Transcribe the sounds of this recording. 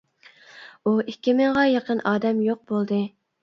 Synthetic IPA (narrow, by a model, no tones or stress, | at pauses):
uʔikʲːimɪŋʁɑjɑqənʔɑːd̪ɛmjoq̚bolˠd̪ɨ